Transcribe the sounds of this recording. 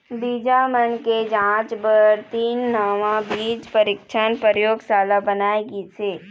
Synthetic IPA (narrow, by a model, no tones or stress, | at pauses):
biːd͡ʒamənked͡ʒãːt͡ʃbəɾt̪iːnːəʋãbiːd͡ʒpəɾɪkʃʰaːnpəɾjoːɡsaːlabənaːeɡit͡ʃʰeː